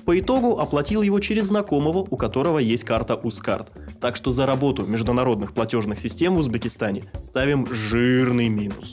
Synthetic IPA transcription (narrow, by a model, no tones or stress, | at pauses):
pəɪt̪o̞ɡʊʔɐplˠɐtʲilˠjɪvo̞t͡ɕɪɾʲɪzːnɐko̞məvəʔʊkɐt̪o̞ɾəvəjesʲt̚ʲkart̪əʔuska̰rt̪ː | akʂt̪o̞zəɾɐbo̞t̪ʊmʲɪʐd̪ʊnɐɾo̞d̪nɨxplˠɐtʲo̞ʐnɨxsʲɪsʲtʲe̞mvʊzbʲɪkʲɪst̪anʲɪst̪avʲɪmʐɨrnɨjmʲinʊ̰s